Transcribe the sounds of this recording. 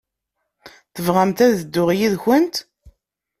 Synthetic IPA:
θəvʁamt̪æðəd̪ːʊʁjiðçənt̪

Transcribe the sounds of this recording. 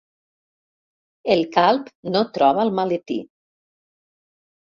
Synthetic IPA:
elˠkalˠpnot̪ɾɔβalˠmalet̪ḭ

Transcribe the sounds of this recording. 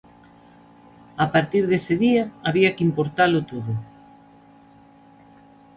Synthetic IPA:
apaɾt̪iɾðesɪðiaaβiakimpoɾt̪alʊt̪oðʊ

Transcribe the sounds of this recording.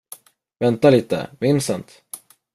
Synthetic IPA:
vɛnt̪aliːt̪ə̰mɪnsənt̪

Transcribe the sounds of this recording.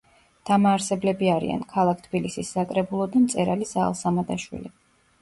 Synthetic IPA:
d̪̥amaːɾsɛblɛbiaɾḭa̰nkʰalˠakʰt̪ʰbilisisːakʼɾɛbulˠɔd̪amt̪sʼɛɾaliza̰lˠsamad̪aʃwḭli

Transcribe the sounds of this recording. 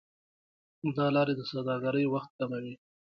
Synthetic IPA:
d̪ɑlɑɾed̪əsad̪ɑɡaɾəjwaxt̪̚kamawi

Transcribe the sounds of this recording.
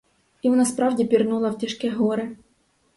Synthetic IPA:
iɔnɑspɾɑvdʲɪpʲɪrnulˠɐwtʲɪʂkʲɛɦɔɾɪ

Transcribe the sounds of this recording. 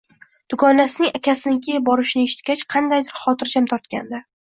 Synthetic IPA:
d̪̥ʊɡɒnːasɪnɪŋakʲasɪnɪkʲʰɪjbɒɾɪʃɪnɪeʃɪ̥t̪̚kʲat͡ʃqʰɑnd̪ajd̪ɪɾχɒt̪ʰɪɾd͡ʒʰamt̪ʰɒɾt̪kʲa̰nd̪a

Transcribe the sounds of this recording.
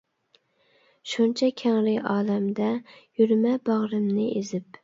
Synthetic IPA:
ʃunt͡ʃʰɛkʲʰæŋɾɪʔɑːlæmd̪ɛjyɾmɛbɑʁɾɨmnɪʔezɪp̚

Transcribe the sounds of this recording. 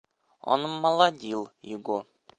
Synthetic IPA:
ɒ̰nɤ̆mːɑlˠɑd̪ʲilˠjɪɡo

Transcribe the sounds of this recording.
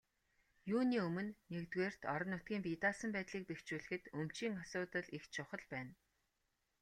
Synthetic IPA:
juːniːɵmɵ̆nːekt̪weːr̥t̪ʰɔɾɞ̆nːʊt̪̚ɡʲiːmpit̪aːsə̆mpæːt̪ɮiːk̚pext͡ɕuːɮɘ̆xɘ̆t̪ɵm̥t͡ɕiːŋasʊːt̪ə̆ɮixt͡ɕʰʊχə̆ɮpæːn

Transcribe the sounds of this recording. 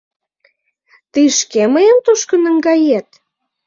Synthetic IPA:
t̪iʃkeməjəmt̪oʃkə̆nə̆ŋɡɑjet̪̚

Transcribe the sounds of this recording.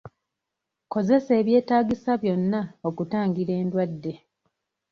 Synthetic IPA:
ko̞ze̞se̞ːβje̞ːtaːɡisaβjo̞nːao̞kutaːŋɡiɾe̞ːndwadːe̞

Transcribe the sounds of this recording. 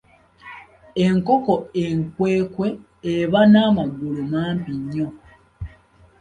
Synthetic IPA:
e̞ŋko̞ko̞eŋkwe̞ːkwe̞ː | βanaːmaɡulumaːmpiɲːo̞

